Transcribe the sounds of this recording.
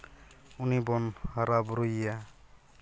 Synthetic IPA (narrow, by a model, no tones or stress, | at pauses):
unibɔnhaɾabɾojja